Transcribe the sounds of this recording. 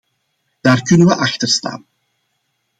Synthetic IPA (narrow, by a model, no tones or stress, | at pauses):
d̥aːrkɵnənʋəʔɑxtərsta̰ːn